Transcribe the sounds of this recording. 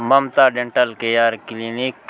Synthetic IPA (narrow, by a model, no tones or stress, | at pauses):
mɐmt̪aːɖẽɳʈɐlkejaːɾklinik̚